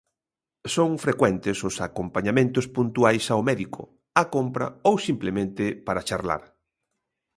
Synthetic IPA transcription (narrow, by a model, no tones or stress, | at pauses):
soŋfɾekwɛnt̪ɪsʊsakompaɲamẽnt̪ʊspunt̪uajsaomɛðikʰo̰ | akompɾɐ̰owsimplemẽnt̪ɪpaɾat͡ʃaɾla̰ɾ